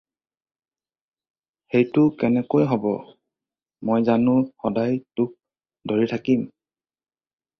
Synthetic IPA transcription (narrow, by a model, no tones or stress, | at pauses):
xejtʊkɛnɛkojɦɔbɔ̰ | mojzanʊxɔdajtʊk̚ | doɹitʰakim